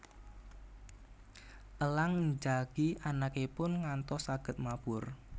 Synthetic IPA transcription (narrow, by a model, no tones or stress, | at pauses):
ʔəlaŋɲd͡ʒaɡ̥iʔanakepʊnŋant̪ɔsaɡ̥ə̤t̪̚mapʊr